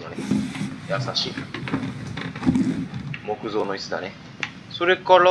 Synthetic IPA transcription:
nonejasaɕḭː | mo̞kɯ̟zo̞ːno̞it͡sɨd̪a̰ne | soɾekoɾo

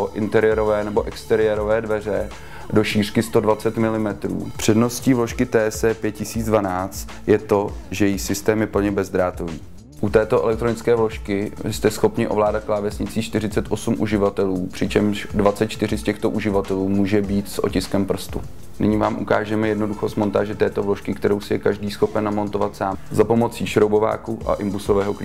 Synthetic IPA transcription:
oʔɪnt̪ɛɾɪjɛɾo̞vɛːnɛbo̞ʔɛkst̪ɛɾɪjɛɾo̞vɛːdvɛr̝ɛ | do̞ʃiːr̥kɪst̪o̞dvat͡sɛt̪mɪlɪmɛt̪ɾṵːpr̝̥ɛdno̞sciːvlo̞ʃkɪt̪ɛːɛsɛpjɛt̪cɪsiːd͡zdvanaːt͡st̪ | jɛt̪o̞ʒɛjɛjisɪst̪ɛːmjɛpl̩ɲɛbɛzd̪ɾaːt̪oviː | ʔut̪ɛːt̪o̞ʔɛ̰lɛk̚t̪ɾonɪt͡skɛːvlo̞ʃkɪst̪ɛsxo̞pɲɪʔo̞vlaːdat̪̚klaːvɛsɲɪt͡siːt͡ʃt̪ɪrɪt͡sɛt̪ʔo̞sumʔuʒɪvat̪ɛluːpr̥ɪt͡ʃɛmʃdvatt͡sɛt̪̚t͡ʃt̪ɪr̝ɪscɛxt̪o̞ʔuʒɪvat̪ɛluːmuːʒɛbiːt̪sʔo̞̰cɪskɛmpr̩st̪ṵ | nɪɲɪvaːmʔṵka̰ːʒɛmɛjɛdno̞duxost̪mo̞nt̪aːʒɛt̪ɛːt̪o̞vlo̞ʃkɪkt̪ɛɾo̞wsɪjɛkaʒdiːsxo̞pɛnːamo̞nt̪o̞vat̪saːmzapo̞mo̞t͡siːʃɾowbo̞va̰ːkuʔa̰ʔɪmbusovɛːɦo̞kli

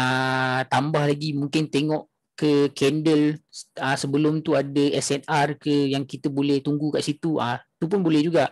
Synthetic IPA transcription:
ət̪ambahlaɡimũŋkɪnt̪eŋɔʔ | kəkɛndələsəbəlʊmt̪uadəɛsɛnarkəjaŋkit̪əbolɛht̪uŋɡukaʔsit̪uət̪upʊnbolɛhd͡ʒuɡaʔ

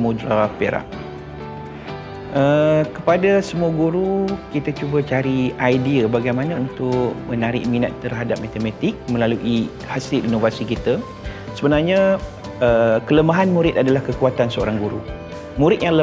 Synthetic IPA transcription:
mudɾapeɾa̰ʔ | əkəpadasəmuaɡuɾukit̪at͡ʃubat͡ʃaɾiajdiəbaɡajmanãunt̪ʊʔmənaɾɪ̰ʔmina̰t̪ːərɦadap̚mat̪emat̪ɪk̚mə̃laluʔi | hasɪlinovasikit̪ə | səbənarɲa | əkələmaɦanmuɾɪt̪̚adalahkəkuat̪ansəo̰ɾaŋɡuɾu | muɾɪt̪̚jaŋlə

